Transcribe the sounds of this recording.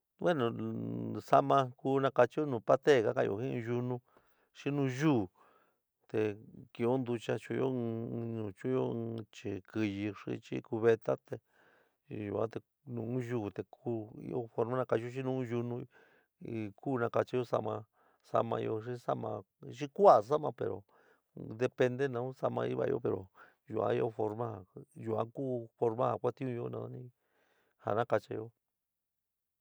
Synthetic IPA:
we˦nõ˧ | sa˦mã˧ku˦nã˧ka˧t͡ʃi˦o˦nũː˨pa˦t̪e˦˨ka˦kã˧o̰˧˨hĩ˦˧ʒu˧nũ˧ | ʂi˦nũ˧ʒuː˦˨ | t̪e˨˧ki˧o˦nd̪u˧t͡ʃa˦t͡ʃu˧jo˦˧nũ˨t͡ʃũ˦jõ˦˧t͡ʃi˧˨ki˧ji˧ʂḭ˧t͡ʃḭ˦ku˧βe˧t̪a˦t̪e˧ | ʒu˨ã̰˦t̪e˧ | nũ˧˨ũ˦ʒu˦˨t̪e˨kʰu˦ḭ˦o̰˦fo˧ɾmã˦nã˧ka˧t͡ʃo˦ʃ̬i˦nũ˦ʒu˧nũ˧ | kuː˦˧nã˧ka˧t͡ʃi˧˦jo˦sa̰˧mã˧ | sa̰˧mã˧i˧o˧ʂi˦sa˦mã˧ | ʂi˦kʷa˨s̬a˦mã˧pe˨ɾo̰˨ | d̪e˧pe˧nd̪e˦nã˧˦ũ˦sa˧mã˧i˦βa̰˧jo̰˦pe˨ɾo̰˨ | ʒu˧ʔã̰˧i˦o˧fo˧ɾmã˦ha˨ʒu˨ã̰˧˦kuː˦fo˧ɾmã˦ha˨kʷa˦t̪ĩ˦ũ˧o˦nã˧˦nĩ˦ | ha̰˨nã˦ka˧t͡ʃi˧jo˦

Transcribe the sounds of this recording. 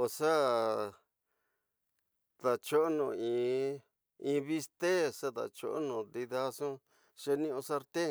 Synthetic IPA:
o˨sa˦ | t̪a˨t͡ʃo˦ʔnõ˧˨ĩ˨ | ĩː˧βi˧st̪e˦sa˦ða̰˨t͡ʃo̰˧ʔo̰˦nõ˨d̪i˧ða˧sõ˦ | ʃe˧nĩ˦õ˧sa˦˧ɾt̪e˦

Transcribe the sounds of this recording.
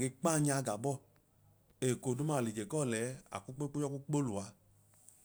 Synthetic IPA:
ɡe˧k͡pa˦˨ɲ˦a˧ɡa˨bɔ˦˨ | e˨ko˨du˦ma˦˨li˨d͡ʒe˨kɔ˦˨lɛ˨˦a̰˨ku˦k͡pe˦k͡po˦ɔ˦ku˦k͡po˦lu˨a˨˦

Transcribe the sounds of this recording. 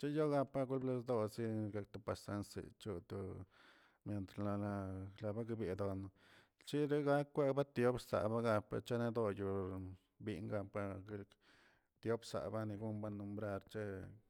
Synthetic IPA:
t͡ʃe˦jo˦ɡa˧pa˦ɡu˦lble˧sd̪o˦si˦ɡa˧k̚t̪u˧pa˨sa˦nsḛ˨t͡ʃu˧t̪u˨ | mje˨nt̪ɾla˧la˧la˧ba˦ɡbe˨d̪o˨no˧ | t͡ʃi˦ɾe˦ɡa˦kːʷe˦ba˦t̪jo˦bsa̰˨ba˦ɡa˧pa̰˧t͡ʃa˦ne˧d̪o˧ju˨ | bi˧ŋɡa˧pa˧ɡu˦l | t̪jo˦bsa̰˨ba˦ni˧ɡu˦mba˦nːu˧mbɾa˧ɾt͡ʃe˦

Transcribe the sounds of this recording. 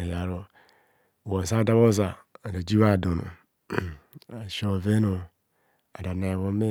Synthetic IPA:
e˨ja˨ɾo˦˨ | wo˨sa˦˨da˦βo˦za˨a˨da˨d͡ʒi˦βa˦˨do˨no̰˨ | a˨ʃo˦˨ve˦no˨ | a˨da˨na˨βo˦me˦

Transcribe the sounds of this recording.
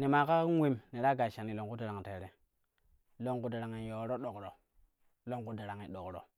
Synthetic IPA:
ni˨ma˨ka˦wi˦mni˨ɾa˦ɡa˨ʃa˨ni˨lo˨ŋku˦da˨ɾa˨ŋ˨te˨ɾe˨ | lo˦ŋku˦da˨ɾa˨ŋi˨jo˨˦ɾo˦ɗo˨kɾo˨ | lo˦ŋku˨da˨ɾa˨ŋi˨ɗo˨kɾo̰˨

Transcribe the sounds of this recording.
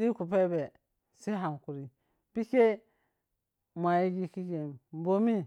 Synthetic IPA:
di˦ku˨pe˦be˨ | si˦ɦa˨mku˨ɾi˨ | pi˦ke˦ | ma˨ji˦ɡi˦ki˦ɡe˨m˦bo˦mi˦

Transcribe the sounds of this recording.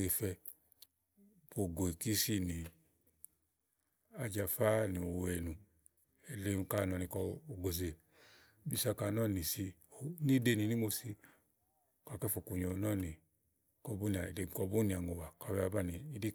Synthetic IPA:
e˧˨fɛ˧ | po˨ɡo˨i˨ki˦si˦ni˨ | a˧d͡ʒa˧fa˦ni˨o˨wɛ˨nũ˨ | e˨le˧˦˧ka˦nɔ˧ni˧kɔ˧o˨ɡo˨ze˨ | bi˧˨sa˧ka˨˧˨nɔ˦˨ni˨si˧o˨ni˦de˧˨ni˨ni˦mo˧si˧ | ka˨kɛ˦fo˨ku˨ɲo˧˨˦nɔ˦˨ni˨ | kɔ˧bu˦ni˨a˨le˧˨kɔ˧bu˦ni˨a˨ŋo˨wa˨ka˨˧˨wɛ˧˦a˧ba˦˨ni˨i˦di˦

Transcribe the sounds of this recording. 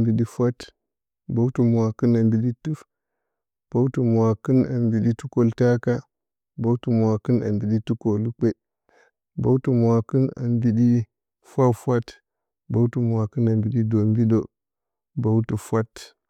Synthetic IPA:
mbi˨ɗi˦fʷa˦t | bo˦wtu˨m˨wa˨ki˦na˨mbi˨ɗi˦tu˦f | b̥o˦wtu˨m˨wa˨ki˦na˨mbi˨ɗi˦tu˦ko˨lta˦ka˦ | ba˦u˦tu˨m˨wa˨ki˦na̰˨mbi˨ɗi˦tu˦ko˨lu˦k͡pe˦ | bo˦wtu˨m˨wa˨ki˦na̰˨mbi˨ɗi˦ | fʷa˦fʷa˦t | bo˦wtu˨m˨wa˨kɨ˦na˨mbi˨ɗi˦do˨mbi˦do˦ | ba˨wtu˨fʷa˦t

